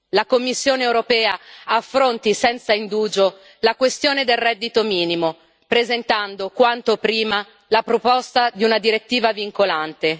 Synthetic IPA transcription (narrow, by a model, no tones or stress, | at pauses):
lakomːisːjoːneewɾopɛːaafːɾont̪isɛnt̪saind̪uːd͡ʒo | lakwest̪joːned̪elrɛd̪ːit̪omiːnimo | pɾezent̪and̪okwant̪opɾiːma | lapɾopɔst̪ad̪iunad̪iɾet̪ːiːvaviŋkolant̪e